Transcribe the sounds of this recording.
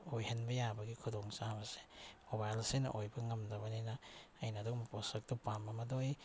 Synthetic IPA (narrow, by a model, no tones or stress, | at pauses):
ojhenbɐjabɐɡikʰudoŋt͡ʃabɐse̥mobajlsenɐ̰ʔojbɐŋɐmdɐbɐninaːjnadokmaposɐk̚tupambamɐdoj